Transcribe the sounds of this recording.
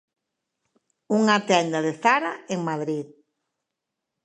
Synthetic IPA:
uŋat̪ɛnd̪aðeθaɾaeŋmaðɾið

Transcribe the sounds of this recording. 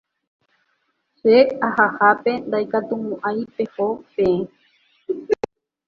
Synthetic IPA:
ʃeahahape̞nd̪ajkat̪umũʔajpe̞hopẽ̞ẽ

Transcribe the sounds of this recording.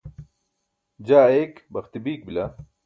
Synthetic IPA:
d͡ʑaːekbɐxt̪ibiːk̚bila

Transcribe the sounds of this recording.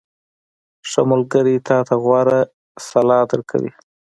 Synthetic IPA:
ʂamʊlɡəɾit̪ɑt̪ʰaɣwɑɾa | salɑd̪əɾkʰa̰wḭ

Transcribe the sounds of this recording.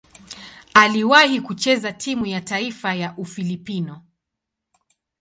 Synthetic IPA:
aliwahikut͡ʃɛzatʰimujataifajaʔufilipinɔ

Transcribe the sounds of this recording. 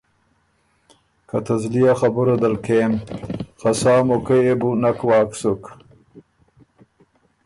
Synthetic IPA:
kʰat̪ʰɐzlijaxabuɾad̪ɐlkʰeːnxasaːmokejebunakwɑːksuk

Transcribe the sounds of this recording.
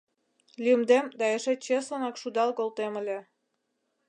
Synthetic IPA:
lʲimd̪emd̪ɑeʃet͡ɕeslənɑkʃud̪ɑlkolt̪emə̆lʲe

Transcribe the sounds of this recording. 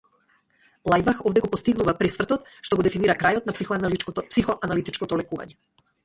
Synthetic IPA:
lˠajbaxɔvd̪ɛɡɔpɔst̪iɡnuvapɾɛsvr̩t̪ɔt̪ʃt̪ɔɡod̪ɛfiniɾakɾajɔt̪nappsixɔʔanalit̪it͡ʃkɔt̪ɔlɛkuva̰ɲɛ

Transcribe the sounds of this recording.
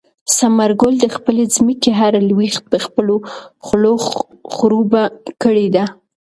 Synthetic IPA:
samaɾɡold̪əxpəled͡zməkeɦaɾalwixt̪̚d̪əxpəloxlo | xɾubakəɽed̪a

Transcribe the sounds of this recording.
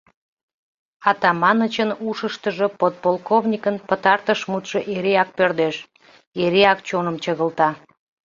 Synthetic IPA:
ɑt̪ɑmɑnət͡ɕənuʃəʃt̪əʒəpot̪̚polˠkovnʲikənpət̪ɑrt̪əʃmut̪ʃəʔeɾeɑk̚pørd̪eʃ | eɾeɑkt͡ɕonəmt͡ɕəɣəlt̪ɑ

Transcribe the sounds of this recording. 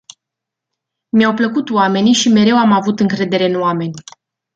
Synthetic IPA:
mjawpləkut̪oame̞nʲʃime̞ɾe̞wamavut̪ɨŋkɾe̞d̪e̞ɾe̞ɨnoame̞nʲ

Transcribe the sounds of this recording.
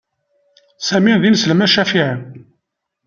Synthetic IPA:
sæminðinsləmæʃæfiʕən

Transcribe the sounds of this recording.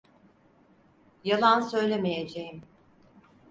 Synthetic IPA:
jalˠansø̞jlʲemejed͡ʒejim

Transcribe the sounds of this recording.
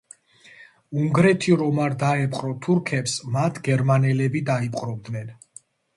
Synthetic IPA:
uŋɡɾɛt̪ʰiɾɔmaɾd̪aɛpʼqʼɾɔt̪ʰuɾkʰɛpsmat̪ʰɡɛɾmanɛlɛbid̪aipʼqʼɾɔbd̪nɛn

